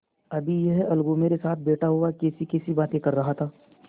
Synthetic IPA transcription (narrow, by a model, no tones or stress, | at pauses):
ɐbʱijɛɦɐlɡõmeːɾesaːt̪̚ʰbeːʈaɦʊakɛːsikɛːsibaːt̪ẽkɐɾːɐɦat̪ʰaː